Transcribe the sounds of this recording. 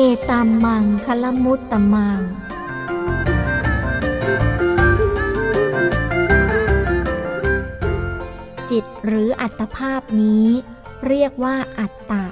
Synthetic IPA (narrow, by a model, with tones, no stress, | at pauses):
ʔeː˧t̪a˧mːa˧ŋkʰa˦˥la˦˥mu˦˥t̪ːa˧ma˧ŋ | t͡ɕi˨˩t̪̚ɾɯː˩˦ʔa˨˩t̪ːa˧pʰaː˥˩p̚niː˦˥ | ɾi˥˩ək̚waː˥˩ʔa˨˩t̪ːa˨˩